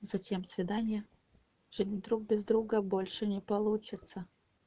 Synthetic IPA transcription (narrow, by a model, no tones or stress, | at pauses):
z̥ɐtʲemsvʲɪd̪anʲɪjə | ʐ̥ɨdʲnʲd̪ɾuk̚bʲɪzd̪ɾuɡəbo̞lʲʂɨnʲɪpɐlˠut͡ɕɪt̪sə